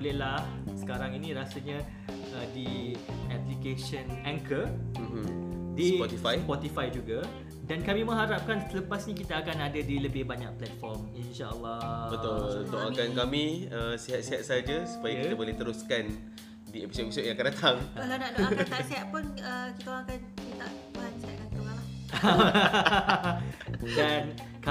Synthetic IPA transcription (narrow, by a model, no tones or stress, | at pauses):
bolehlahsə̥kaɾaŋinĩɾasaɲã | ədiɛplikeʃənãŋkəm̩dispɔt̪ifajspɔt̪ifajd͡ʒuɡa | dankamĩmə̃ɦaɾap̚kansələpasɲĩkit̪aːkanadadiləbɪhbaɲak̚plɛt̪̚fɔrminʃaə̰lːɔbət̪old̪oʔakankamĩəsiɦat̪̚siɦat̪̚saad͡ʒasu̥pajakit̪aboleht̪əɾuskan | diepisoʔepisod̚jaŋakanat̪ʰaŋkalanaʔdakat̪aʔsiɦaʔ̪̚punəkit̪aoãkanit̪aʔpuɦansiɦat̪̚kant̪əɾuŋãla | dan | ka